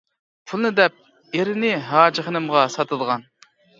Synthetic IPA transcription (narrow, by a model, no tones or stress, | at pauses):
pʰulˠɨnɨd̪ɛp̚ | eɾɪnɪɦɑːd͡ʒɪχənɨmʁɑsɑt̪ʰɨd̪ˠəʁɑn